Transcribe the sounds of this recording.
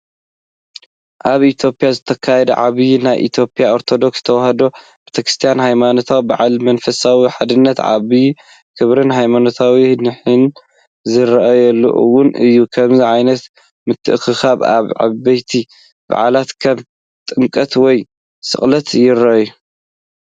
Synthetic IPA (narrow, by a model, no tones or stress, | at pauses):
ʔaβit̪ʰjo̞pʼjazɨt̪ʰɐkʰajɛd̪ɐ̰ʕaβinajʔḭt̪ʰjopʼjao̞ɾt̪ʰo̞d̪o̞ksɨ̥t̪ʰɐwhɐd̪o | b̥ɨ̥t̪ʰɐkɾɨst̪ʰijanɦajmano̞t̪ʰawbaʕalmɐnfɐsawiħad̪ɨnːɐt̪ʕa̰βi | kʰɨβɾɨnɦajmanot̪ʰawinɨħɨn | zɨɾɐʔajɛlːo̰ʔwʊnʔɨjːukʰɐmziʕajnɐt̪ | mɨt̪ʰːɨʔxɨxaβa̰βʕa̰βbɐjt̪ʰi | b̥a̰ʕa̰lat̪kʰɐm | t̪ʼɨŋkʼɐt̪wɔj | sɨ̰χʼlɐt̪jɪɾɐʔju